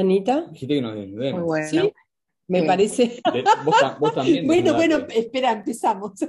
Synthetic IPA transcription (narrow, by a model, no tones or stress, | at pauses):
nit̪axit̪ekenozðenuðemujwwesi | mepaɾeseeboabost̪amnbwenobwenoespeɾaempesamos